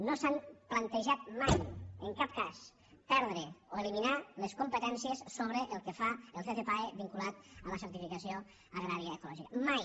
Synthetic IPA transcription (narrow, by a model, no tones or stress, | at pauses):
nosamplənt̪əʒat̪̚majəŋkap̚kas | pɛɾðɾeoeliminaləskumpət̪ɛnsiəssoβɾəʔəlˠkəfaəlˠt̪eθepaeβiŋkulat̪̚ələsəɾt̪ifikəsio | əɣɾaɾiəːkulɔʒikəmaj